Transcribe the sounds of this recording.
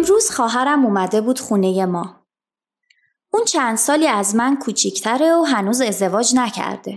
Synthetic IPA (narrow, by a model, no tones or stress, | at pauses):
emɾuːz̥xɒːɦæɾæmuːmæd̪e̞buːd̪̥χuːne̞je̞mɒː | uːnt͡ʃʰænd̪̥sɒːliːæzmænkʰuːt͡ʃʰicʰt̪ʰæɾe̞oɦænuːze̞zd̪e̞vɒːd͡ʒnæcʰæ̰ɾd̪̥e̞